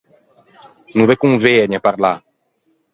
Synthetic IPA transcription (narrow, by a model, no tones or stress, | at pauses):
nũvekũŋveɛɲapaɾla